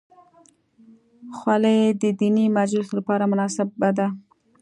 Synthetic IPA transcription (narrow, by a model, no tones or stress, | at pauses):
xwaləjd̪əd̪inimad͡ʒlʊslapɑɾamʊnɑsɪb̚ːad̪a